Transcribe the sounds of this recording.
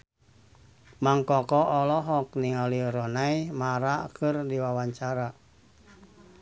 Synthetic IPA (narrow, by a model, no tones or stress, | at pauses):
maŋkɔkɔʔɔlɔɦɔk̚niŋaliɾɔnajmaɾakɨrdiwawaɲt͡ʃaɾa